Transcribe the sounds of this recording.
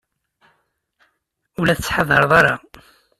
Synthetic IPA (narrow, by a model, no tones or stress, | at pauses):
ulæθət͡sːħaðˤɑɾˤðˤɑɾˤɑ̰